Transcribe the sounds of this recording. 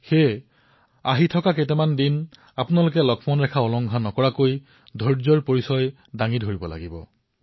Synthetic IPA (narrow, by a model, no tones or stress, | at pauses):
xe | aɦitʰɔkaketɛmandin | apʊnalokɛlɔɡʰmɔnɹɛkʰaɔlɔŋɡʱanɔkɔɹakoj | dʱɔɹzɔɹpoɹisɔj | daŋidʱoɹibɔla̰ɡibɔ̰